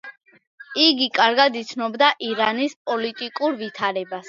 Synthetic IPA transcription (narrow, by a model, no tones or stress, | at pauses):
iɡikʼaɾɡad̪it̪sʰnɔbd̪aʔiɾanispʼɔlit̪ʼikʼuɾvit̪ʰaɾɛbas